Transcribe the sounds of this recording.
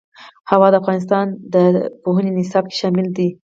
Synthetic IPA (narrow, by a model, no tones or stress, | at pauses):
hawɑd̪əafɣɑnɪs̬t̪ɑnd̪əpoɦənenɪsɑb̚ke̥ʃɑmɪld̪i